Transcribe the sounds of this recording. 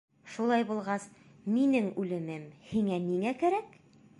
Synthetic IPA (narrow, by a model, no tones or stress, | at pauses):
ʃulˠɑjbulˠʁɑs | minɘŋʉlɘ̆mɘmhiŋæniŋækæɾæk